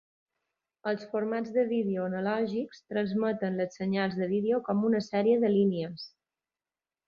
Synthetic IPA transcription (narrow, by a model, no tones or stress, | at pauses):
əlˠsfuɾmad͡zðəβið̞eoənəlɔʒikst̪ɾənzmət̪ənləsːəɲalˠzðəβiðeokɔmunəsɛɾiəðəliniəs